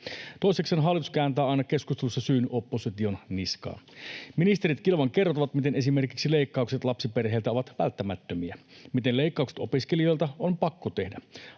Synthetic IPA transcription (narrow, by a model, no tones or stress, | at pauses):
t̪oisekseːnɦɑlːˑit̪uskæːnt̪æːɑˑjnɑke̞skust̪elusːɑsyːnyʔopːosit̪io̞nniskɑ̰ːminist̪eɾit̪kilʋɑŋke̞rot̪ɑʋɑt̪mit̪ene̞sime̞rkiksileikːɑukset̪lɑpsiperɦeːlt̪æoʋɑt̪ʋæ̰lt̪ːæmæt̪ːømiæmit̪enleˑikːɑukse̥t̪opiskelio̞jlt̪ɑompɑkːot̪e̞hdæ